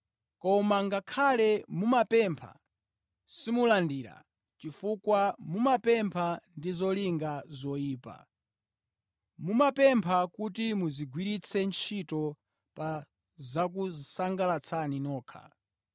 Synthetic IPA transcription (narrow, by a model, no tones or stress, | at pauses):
kɔmaŋɡakʰalɛmumapɛmpʰa̰ | simulandiːɾa̰ | t͡ʃifukwamumapɛmpʰandizɔliŋɡazɔiːpa̰ | mumapɛmpʰakutimuziɡwiɾit͡sʰɛnt͡ʃʰitɔ | pa | zak̬usaŋɡalat͡sʰaninɔːkʰa̰